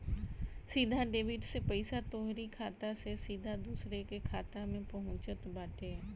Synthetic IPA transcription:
sid̪ʱaɖeːʋɪʈsepəɪsat̪oːɦɾikʰaːt̪asesid̪ʱad̪uːsɾekekʰaːt̪amẽpɐɦʊ̃t͡ʃət̪baːʈeɦɛ

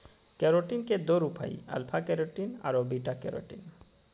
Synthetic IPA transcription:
kɛɾoʈinked̪oɾupʰa̰jɐ̰lpʰakɛɾoʈina̰ɾobiʈakɛ̰ɾo̰ʈin

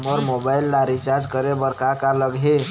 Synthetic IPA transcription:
məɾmobailːaɾit͡ʃaɾd͡ʒkəɾebəɾkakaləɡʱɦe

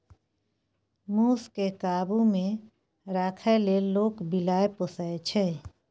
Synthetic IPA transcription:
muːskekaːbumẽ | ɾaːkʰəleloːkbilaːeposəet͡ʃʰe

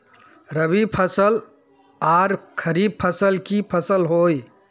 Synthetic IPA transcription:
ɾəbipʰəsəl | aɾkʰəɾib̚pʰəsəlkipʰəsəlɦoj

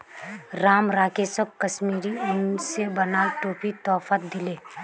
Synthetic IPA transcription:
ɾaːmɾaːkesəb̚kəʃmiːɾiʊnsebənaːlʈoːpit̪ɔːfət̪̚d̪ɪleː

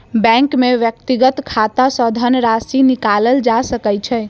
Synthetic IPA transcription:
bɛ̃ŋkmeʋjək̚t̪iɡət̪kʰat̪asɔd̪ʱənɾasinikaləld͡ʒasəkɛt͡ʃʰɛ

